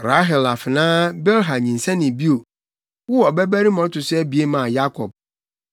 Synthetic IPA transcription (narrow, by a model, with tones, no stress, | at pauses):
ɾa˦ɦɛ˨la˨fɪ˨nãː˦bɛ˦lɦa˨ɲĩ˨n̩˨sɛ̃˦nɪ̃˨bi˦o˨ | wɔ˦ɔ˨bɛ˦bæ˦ɾi˦mɔ̃˨˦tʰʊ˨sɛ˦bi˨e˦mã˨ja˦kʰɔ˨b̚